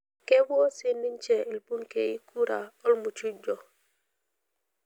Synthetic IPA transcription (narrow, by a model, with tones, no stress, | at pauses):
ke˦bo˦si˦nːi˦ɲt͡ʃɛ˨i˨lpu˦ŋke˨i˦ku˦ɾa˨ɔ˦lmu˨t͡ʃu˦d͡ʒɔ˨